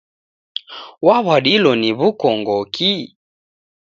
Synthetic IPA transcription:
waβaɗilɔniβukɔŋɡɔkʰi

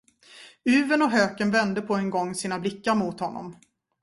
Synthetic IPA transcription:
ʉ̟ːvənɔɦøːkənvɛnd̪əpʰɔɛnɡɔŋːsiːnablɪkːaɾmuːt̪hɔnːɔ̰m

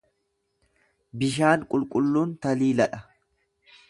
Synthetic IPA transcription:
bɪʃaːŋkʼʊlkʼʊlːuːnt̪ɐliːlɐᶑɐ

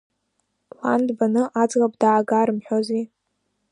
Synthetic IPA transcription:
la̰ndbanɨʔad͡zɣap̚ʼdaːɡaɾɨmħᶣozi

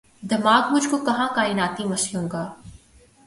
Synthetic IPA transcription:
d̪ɐmaːkmʊd͡ʒʱkokɐɦãkaːɪnaːt̪imɐʃjũːɡaː

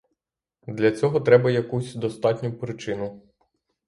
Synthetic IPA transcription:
d̪lʲɐt͡sʲɔɦɔt̪ɾɛbɐjɐkusʲd̪ɔst̪ɑtʲnʲʊpɾɪt͡ʃɪnʊ

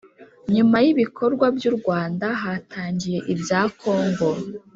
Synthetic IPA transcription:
ɲumajiβikʰo̞ɾɡwabjuːɾɡwaːndaɦaːtaːɲɟije̞ʔibjaːkʰo̞ːŋɡo

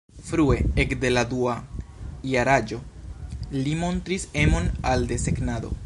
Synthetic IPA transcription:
fɾue̞ekde̞ladua | jaɾad͡ʒo̞ | limo̞ntɾise̞mo̞nalde̞se̞knado̞̰

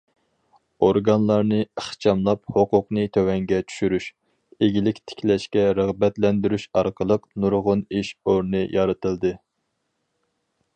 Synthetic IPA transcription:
oɾɡɑnlˠɑɾnɨəχt͡ʃʰɑmlˠɑp̚hoqʊqnɨt̪ʰøwɛŋɡʲɛt͡ʃʰy̥ʃyɾyʃ | eɡʲilɪkʲt̪ʰɪ̥kʲlɛʃkʲɛɾəʁbɛt̪lɛnd̪yɾyʃɑɾqʰəlˠəqnuɾʁʊniʃoɾnɨjʔɑɾɨt̪ɨlˠd̪ɨ

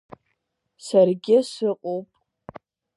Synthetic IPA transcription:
sarɡʲɪsɨqʼowpʼ

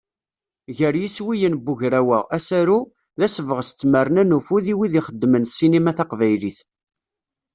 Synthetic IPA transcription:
ʝəɾjiswijənbuʝɾæwææsæɾu | ðæsvəʁsə̥t͡sːmərənænufuðiwiðiχəd̪ːmənθsinimæθɑqvæjliθ

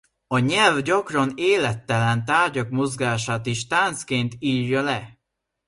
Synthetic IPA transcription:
ɒɲɛlvɟɒkrɒneːlɛt̪ːɛlɛnt̪aːrɟɒkmo̞zɡaːʃaːt̪iʃt̪aːnt̪skeːnt̪iːrjɒlɛ

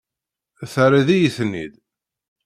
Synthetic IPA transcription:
æθaɾiðijiθnːḭð

